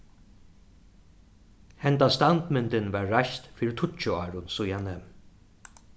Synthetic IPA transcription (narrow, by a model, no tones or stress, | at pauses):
hɛnt̪ast̪ant̪mɪnt̪ɪnvaːɹːajʃt̪fiːɾɪt̪ʰʊt͡ʃʊɑːɹʊnsʊjanɛm